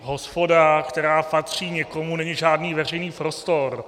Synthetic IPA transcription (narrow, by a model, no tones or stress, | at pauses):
ɦo̞spo̞dakt̪ɛɾaːpat̪r̝̥iːɲɛkomunɛɲiʒaːdniːvɛr̝ɛjniːpɾost̪oɾ